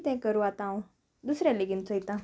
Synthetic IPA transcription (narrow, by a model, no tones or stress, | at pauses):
t̪ɛ̃kəɾuat̪ãw̃ | d̪usɾjaliɡint͡sɔit̪ã